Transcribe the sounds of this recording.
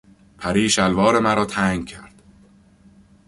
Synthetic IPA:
pʰæɾiːʃælvɒːɾe̞mæɾɒːt̪ʰæːŋɡcʲʰæɾd̪̥

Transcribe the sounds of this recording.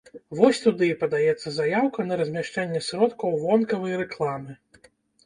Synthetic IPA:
vɔsʲt̪ud̪ɨipɐd̪ajɛt̪sːɐzajawkɐnɐɾɐzʲmʲaʂt͡ʂɛnʲːɛsɾɔt̪kɐwvɔnkɐvɐjɾɛklˠamɨ

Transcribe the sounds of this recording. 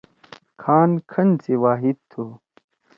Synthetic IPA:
kʰaːnkʰɐnt͡siwaːɦid̪̚t̪ʰu

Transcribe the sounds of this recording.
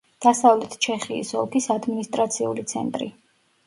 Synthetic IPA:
d̪̥asavlɛt̪ʰt͡ʃʰɛχḭːsɔlˠkʰisad̪minist̪ʼɾat̪sʰiṵlit̪sʰɛ̰nt̪ʼɾḭ

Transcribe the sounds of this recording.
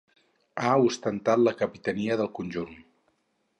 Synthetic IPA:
aust̪ənt̪at̪ləkəpit̪əniəðəlˠkunʲʒun

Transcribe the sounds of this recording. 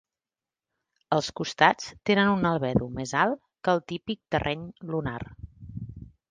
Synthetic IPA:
əlˠskust̪at͡st̪enənunəlˠβɛðumezalˠ | kəlˠt̪ipik̚t̪ərʔɛɲlunar

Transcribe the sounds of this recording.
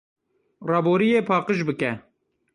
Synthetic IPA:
rɑːboːɾijeːpʰɑːqəʃbɨkɛ

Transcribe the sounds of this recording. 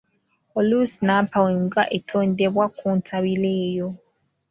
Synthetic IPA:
olusnapawiŋɡaʔetʰoːndeβwakuːntʰaβileːjo

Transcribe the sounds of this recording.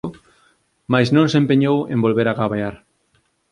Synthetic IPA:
ʊ | majsnõŋsempeɲowḛ̃mbolβeɾaɣaβaaɾ

